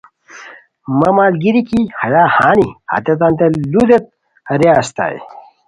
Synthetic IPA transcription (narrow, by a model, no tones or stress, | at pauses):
mɐmaːlɡiɾikihɐjaːhaːniha̰t̪et̪̬ant̪elud̪et̪̚ | ɾeast̪a̰j̰